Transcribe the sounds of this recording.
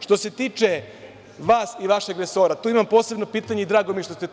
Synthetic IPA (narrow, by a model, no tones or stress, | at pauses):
ʃt̪o̞se̞t̪iːt͡ʃe | ʋaːsiʋaʃeɡɾeso̞ːɾat̪uːimampose̞bno̞piːt̪aɲe̞id̪ɾaːɡomijeʃt̪o̞st̪e